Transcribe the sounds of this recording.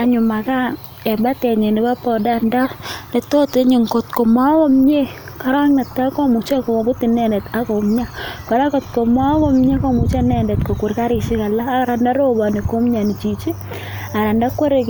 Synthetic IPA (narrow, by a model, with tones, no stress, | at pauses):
a˨ɲʊ˨ma˨ka˦ | ɛ˨ba˦tɛ˨ɲe˨nɪ˨ba˦pɔ˨danda˦nɛ˨to˦te˦ɲɪ˨ŋko˨tko˨ma˦wɔ˦mɲe˦ | ka˦ɾɔ˦ŋnɛ˨tːa˦ko˦mu˨t͡ʃa˦ko˨o˨bʊ˦ti˨nɛ˦˨ndɛ˨ta˦ko˨mɲa˦kɔ˨ɾa˦kɔ˨tko˨ma˦wɔ˦mɲe˦kɔ˦mu˨t͡ʃa˦nɛ˨ndɛ˨tko˨ku˨ɾka˦ɾɪ˨ʃi˦ka˨laː˦ɾa˨nda˦ɾo˦bɔ˨ni˨ko˦mɲa˨ni˨t͡ʃi˨t͡ʃi˦ | a˨ɾa˨nda˦kwo˦ɾe˦k